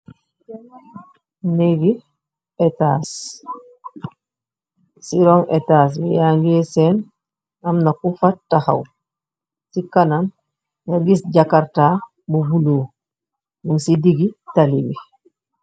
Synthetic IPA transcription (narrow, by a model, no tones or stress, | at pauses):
neɡi | ɛtas | siɾɔŋʔɛ̰taːs̬bɛjaŋɡɛːsɛn | amnakufatːaha̰w | sikanan | naɡisɟakaɾtaː | bubuloː | nuŋsidiɡitalibi